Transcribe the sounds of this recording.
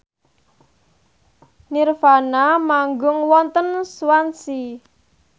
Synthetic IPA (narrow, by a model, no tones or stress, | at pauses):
nirfanamaŋɡʊŋwɔnt̪ənswansi